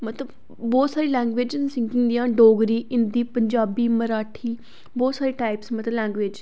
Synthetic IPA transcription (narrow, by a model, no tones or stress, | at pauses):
mət̪ləb | bɔːt̪saːɾiːlɛ̃ːŋɡʋed͡ʒnsɪ̃ŋkɪ̃ŋɡd̪ijãːɖoːɡɾiːʔɪnd̪iːpəɲd͡ʒaːbiːməɾaːʈʰiː | bɔːt̪saːɾeːʈaːɪpsmət̪ləlɛ̃ːŋɡʋeːd͡ʒ